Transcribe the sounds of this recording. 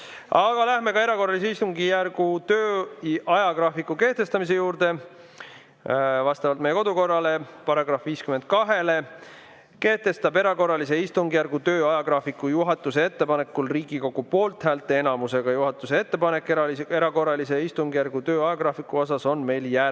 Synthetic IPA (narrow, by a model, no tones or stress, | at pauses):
ɑɡ̥ɑlæhme̞kɑeɾɑko̞rːɑlis̬e̞ist̪uŋɡijærɡut̪ø̞ːʔɑjɑɡrɑfikːˑuke̞ht̪e̞st̪ɑmis̬e̞juːɾd̪̥e̞ | vɑst̪ɑvɑlt̪mejeko̞d̪uko̞rːɑle̞pɑɾɑɡrɑfviːskyme̞nd̪̚kɑɦe̞le̞ | ke̞ht̪e̞st̪ɑbe̞ɾɑko̞rːɑlis̬e̞ist̪uŋɡijærɡ̥ut̪ø̞ːɑjɑɡ̥rɑːfikːˑujuɦɑt̪ːˑuse̞e̞t̪ːe̞pɑnekːulriːɡ̥iko̞ɡ̥upo̞ːlt̪hæːlt̪ːˑe̞nɑmuse̞ɡ̥ɑjuɦɑt̪ːˑuseet̪ːe̞pɑnekːˑɑeɾɑko̞rːɑlise̞ist̪uŋɡijæɾɡ̥ut̪øːɑjɑɡrɑfikːuo̞s̬ɑso̞nme̞jljæ